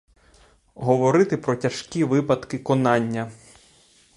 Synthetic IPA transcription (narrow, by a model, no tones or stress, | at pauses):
ɦɔʋɔɾɪt̪ɪpɾɔtʲɐʃkʲiʋɪpɐd̪kɪkɔnɑnʲːɐ